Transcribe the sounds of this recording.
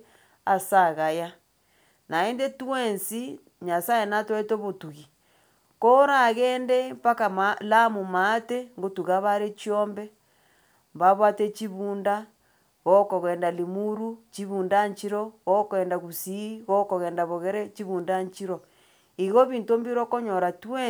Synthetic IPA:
asaɣaja | naendetuwensi | ɲasajenatwetoβotuɣi | koɾaɣeːndepakamalamumateŋɡotuɣaβaɾet͡ʃjombe | mbaβwatet͡ʃiβuːnda | ɣokoɣeːndalimuɾut͡ʃiβuːndaɲt͡ʃiɾoɣokeːndaɣusiɣokoɣeːndaβoɣeɾet͡ʃiβuːndaɲt͡ʃiɾo | iɣoβiːntombiɾokoɲoɾatue

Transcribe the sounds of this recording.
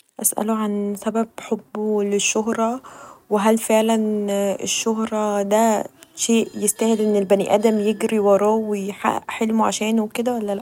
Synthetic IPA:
ʔæsʔæ̰loʕansæbæbħobːoleʃːoɦɾˤɑweɦælfeʕlænḛʃːoɦɾˤɑd̪æʃeːʔjest̪æhed̪ʔenːelbæniʔæ̰ːd̪æmjeɡɾiwɑɾˤɑːwejħa̰ʔħelmoʕa̰ʃæːnowked̪æwælːælæʔʔ

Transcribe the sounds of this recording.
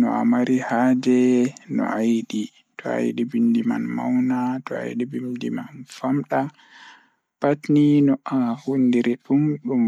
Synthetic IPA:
nɔ̰a̰maɾihad͡ʒɛnɔ̰ajɗi | tʰɔa̰jɗibindima̰nma̰wnatʰɔa̰jɗibimdimanfamɗa | patninɔahundiɾɛɗumɗum

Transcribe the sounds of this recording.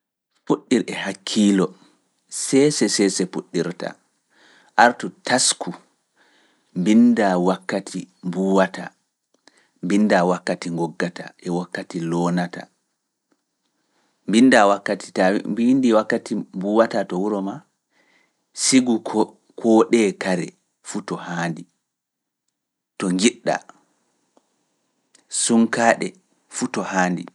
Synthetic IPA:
fuɗːiɾɛhakʰːiːlɔ | sɛsɛsɛsɛfuɗːiɾta̰ | ʔaɾtutaskʰu | mbindawakːatʰimbuwata̰ | mbindawakːatiŋɡɔɡːata̰ʔɛwakːatilɔːnata̰ | mbindawakːati̥tambindiwakːatimbuːwatatɔwuɾɔma | siɡu | kʰɔɗɛkaɾɛ | futɔhaːndi | tɔŋɡiɗːa̰ | suŋkaːɗɛ | futɔhaːndḭ

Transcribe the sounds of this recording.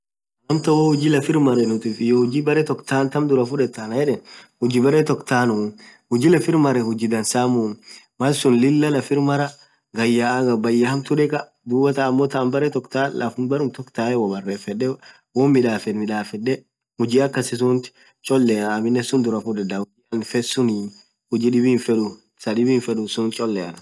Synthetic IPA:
ɐmt̪ɐwoːhʊd͡ʒɪlɐfɪɾmɐɾɛnʊt̪iːfɪjohʊd͡ʒiːbɐɾɛt̪ɔkt̪aːnt̪ɐmd̪ʊɾɐfʊᶑɛt̪ːanɐjɛᶑɛnhʊd͡ʒiːbɐɾet̪ɔkt̪aːnʊnhʊd͡ʒɪːlɛfɪɾmɐɾɛhʊd͡ʒɪd̪ɐnsaːmun | mɐlsʊnlɪlːɐlɐfɪɾmɐɾɐ | ɡɐjːaːɡɐbɐjːɐhɐmt̪ʊᶑɛkʼɐ | d̪uːbɐt̪aːmːɔt̪ambɐɾɛt̪ɔkt̪aːlɐfʊnbɐɾʊmt̪ɔkt̪aːɛwɔbɐrːeːfɛᶑɛ | wɔnmɪᶑaːfɛnmɪᶑaːfɛᶑːɛ | hʊd͡ʒiːɐkːɐsɪsʊnt̪ | t͡ʃʼɔlːɛɐmɪnːɛsʊnd̪ʊɾɐfudɐd̪ɐʊd͡ʒiɐnfɛsʊnɪ | hʊd͡ʒiːᶑɪbiːnfɛᶑʊ | sɐɗɪbiːnfɛᶑʊsʊnt͡ʃʼɔlːɛɐ̰nɐ

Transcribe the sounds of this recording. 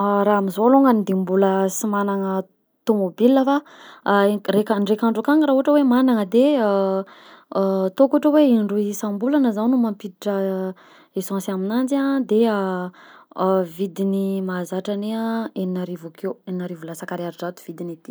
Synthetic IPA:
ɾaamizoluŋɡanid̪imbuləsimanaŋə | t̪omobilːafa | rekaɳɖ͡ʐekaɳɖ͡ʐukaŋəɾaɦuaʈ͡ʂəwemanaŋəd̪eə | t̪okuaʈ͡ʂəweiɳɖ͡ʐuisãmbulanəzawnumampit̪iʈ͡ʂə | esãsaminand͡ʒiãd̪eə | vid̪inimazaʈ͡ʂaneãeninaɾivukʰeweninaɾivulasakaɾiaɾiʈ͡ʂat̪u̥v̥id̪init̪i̥

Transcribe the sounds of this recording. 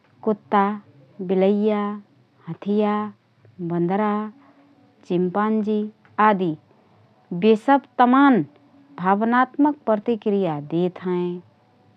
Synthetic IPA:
kʊt̪ːa | bɪləjːa | hət̪ʰija | bə̃nd̪ʱɾa | t͡ʃɪmpaːnd͡ʒi | aːd̪i | besəbt̪əmaːn | bʱaːbnaːt̪mək̚pɾət̪ikɾijad̪et̪ʰɦə̃ẽ

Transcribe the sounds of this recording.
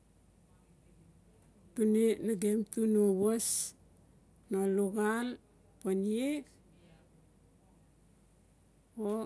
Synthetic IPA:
punenaɡemtunoβos | noluɡal | paniek | o

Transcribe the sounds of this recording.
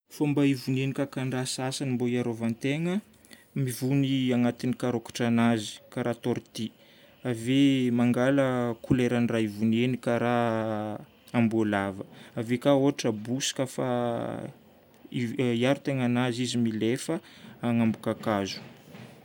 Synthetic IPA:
fambaivunenikakanrasasanimboiaɾovant̪eŋə | mivuniaŋat̪inikaɾokḁʈ͡ʂanazi̥kaɾat̪oɾt̪i | avemaŋɡaləkuleɾaniraivunenikaɾa | ambolavəavekaoɦaʈ͡ʂəbusi̥kafa̰ | iiaɾut̪eŋanazizimilefəaŋambukakazu̥

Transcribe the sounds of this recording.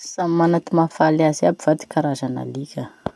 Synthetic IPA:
samanat̪imafalaziabiv̥ad̪i̥kaɾaʒana̰likʲə

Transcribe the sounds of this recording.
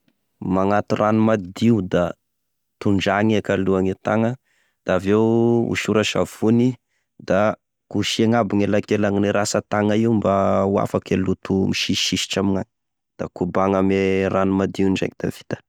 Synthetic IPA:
maŋat̪urʔanumad̪iud̪a | t̪uɳɖ͡ʐaŋiakaluaŋet̪aŋə | d̪̥aaːvewṵʃuɾaʃa̰v̥uni | d̪a | kuʃieŋabiŋelakelaŋineɾasət̪aŋaiumbaua̰fakalut̪umiʃiʃiʃi̥ʈ͡ʂaminani̥ | d̪̥akubaŋameranumad̪iuna̰kd̪̥a̰v̥i̥t̪ə̥

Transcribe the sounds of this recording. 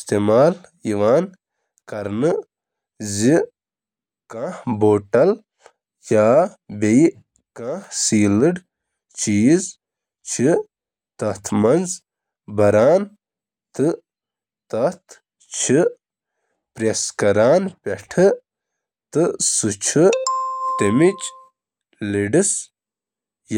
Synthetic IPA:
st̪eːmaːljiʋaːn | kɐɾnɨ | zi | kãːhboːʈɐl | jaːbei | kãːhsiːlɨɖ | t͡ʃiːz | t͡ʃʰi | t̪ɐt̪ʰmɐnz | bɐɾaːn | t̪ɨ | t̪ɐt̪ʰ | t͡ʃʰɨ | pɾeskɐɾaːnpʲeʈʰɨ | t̪ɨsut͡ʃʰɨt̪imit͡ʃ | liɖis | j

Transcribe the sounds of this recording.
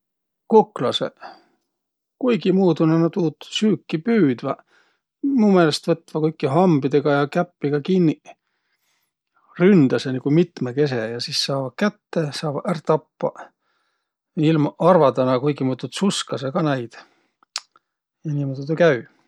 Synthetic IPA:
kuklɑsḛ | kujɡimuːd̪onænot̪uːt̪ːu̥syːkːipyːd̪̥vɑ | muːme̞ːlest̪vɤt̪ːvɑkɤjkːˑiɦɑmbid̪̥e̞ɡ̥ɑjɑkæpːiɡ̥ɑkinːi | rynd̪̥ɑsenikumit̪meke̞s̬ejɑsissɑːvɑkæt̪ːe̞sɑːvɑʔært̪ɑpːɑ̰ | ilmɑʔɑrvɑd̪ɑnɑkujɡ̥imuːt̪ːut̪suskɑseɡ̥ɑnæjd̪̥ | jɑnimod̪et̪ekæy

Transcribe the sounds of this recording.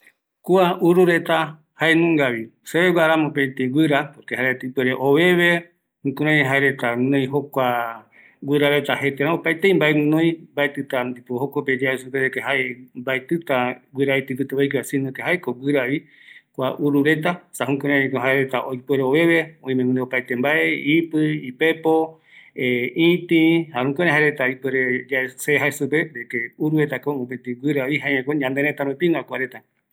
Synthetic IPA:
kuaʔuɾuɾe̞t̪a | haenũŋɡaβiseβeɡaɾamõpet̪iɡʷɨɾapoɾkehaɾet̪ɨpweɾeʔoβe̞βe | hũkõɾãeɦaeɾe̞t̪anẽj̃ɦokʷa | ɡʷɨɾaɾet̪ahet̪eɾãopaet̪eĩmbaenõj̃mbaet̪ɨt̪and̪ipohokoped͡ʒiaesupeɾekeɦaembaet̪ɨt̪awʷɨɾait̪ɨpɨt̪aβajkiasinõkeɦaekowɨɾaβi | kʷa̰ʔuɾuɾe̞t̪asahũkoɾẽɲẽkoɦaeɾe̞t̪aʔojpeɾeoβe̞βe̞õĩmẽɡɨ̃nd̪eopajt̪embaʔeipɨipe̞po | eĩt̪ĩhahũkoɾẽɦaeɾe̞t̪aipeɾed͡ʒaeseɦaesupeɾekeuɾuɾe̞t̪akoõpet̪iɡʷwɨɾaβiɦaeɲẽkõɲãnd̪eɾet̪aɾũpĩnakʷaɾe̞t̪a

